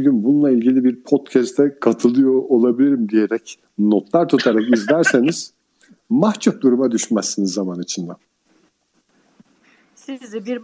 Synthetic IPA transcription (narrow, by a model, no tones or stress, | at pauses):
ɟynbununˠailʲɟilʲibiɾpʰod̪cʰɛst̪ʰɛkʰat̪ʰɯlˠɯjoʔːlˠabilʲiɾimd̪ije̞ɾɛc | not̪ʰlˠaɾt̪ʰut̪ʰaɾakizlʲæɾse̞niz̥ | maht͡ʃʰup̚d̪uɾumad̪yʃmæsːinizːamanit͡ʃʰind̪a